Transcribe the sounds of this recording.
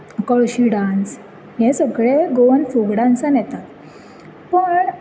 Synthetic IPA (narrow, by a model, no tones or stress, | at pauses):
kəɭɕiɖãnt͡s | ɦẽsəɡɭeɡoənfuɡɽãnt͡sanɛt̪at̪ | pəɳ